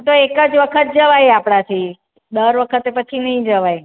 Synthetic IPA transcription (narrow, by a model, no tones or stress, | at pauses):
t̪oekəd͡ʒʋəkʰət̪̚d͡ʒəʋajapɽat̪ʰi | d̪əɾʋəkʰət̪epət͡ʃʰinəɦĩd͡ʒəʋaj